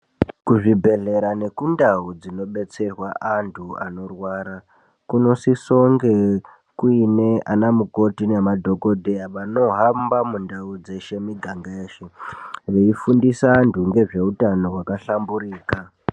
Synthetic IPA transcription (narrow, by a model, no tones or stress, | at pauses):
kuʐibʱe̞ɮe̞ɾane̞kundaud͡zino̞ɓe̞t͡se̞rwaʔantʰua̰no̞rwaɾa | kuno̞siso̞ŋɡe̞ | kuine̞anamuko̞tinemadʱo̞ko̞dʱejaʋano̞ɦambamundaud͡ze̞ʃe̞miɡʱaŋɡaeːʃeʋeifundisaːntʰuŋɡe̞ʐe̞utano̞ɦwakaɬambuɾiːka